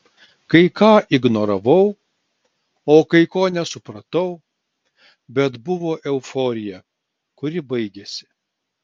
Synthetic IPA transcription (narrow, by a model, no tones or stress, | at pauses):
kɐɪkɑːʔɪɡnoːɾɐʋɐʊ | oːkɐɪkoːnʲɛsʊpɾɐt̪ɐʊ | bʲɛt̪bʊʋoːʔɛʊfoːɾʲɪjɛ | kʊɾʲɪbɐɪɡʲɛsʲɪ̥